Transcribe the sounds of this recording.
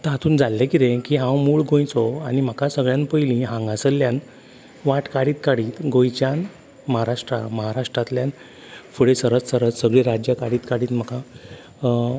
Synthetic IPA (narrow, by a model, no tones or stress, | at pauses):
t̪əɦat̪uːnd͡zalːekit̪ẽkiːɦãwmuːɭɡõjt͡sɔanim̤əkasəɡɭjãnpəjlĩɦãŋɡãsəlːjãn | ʋaʈkaɽiːt̪kaɽiːt̪ɡõjt͡ɕjan | məɦaɾaʂʈɾa̰məɦaɾaʂʈɾat̪ljan | fuɽesəɾət͡ssəɾət͡ssəɡɭiɾad͡ʑjakaɽiːt̪kaɽiːt̪m̤əka